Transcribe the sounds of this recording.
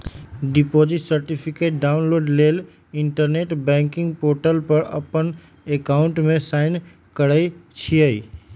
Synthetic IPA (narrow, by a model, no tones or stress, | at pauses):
ɖipod͡ʒiʈsəɾʈipʰikeʈ̚ɖaʊnloːɖlel | iɳʈəɾneʈbɛ̃ŋkɪ̃ŋɡpoɾʈəlpəɾə̰pən | ekaʊɳʈmẽsaɪn | kəɽəjt͡ʃʰiəi